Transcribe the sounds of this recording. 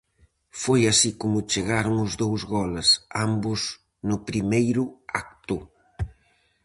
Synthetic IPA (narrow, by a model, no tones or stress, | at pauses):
fojasikomʊt͡ʃeɣaɾʊŋʊzðowzɣɔlɐsambʊz | nʊpɾimejɾʊak̚t̪u